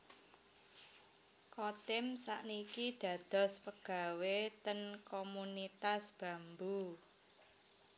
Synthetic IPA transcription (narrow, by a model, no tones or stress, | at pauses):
kɔt̪ɪmsa̰ʔnikid̪̥ä̤d̪̥ɔ̤spəɡ̥a̤wet̪ənkomunit̪asb̥ä̤mbu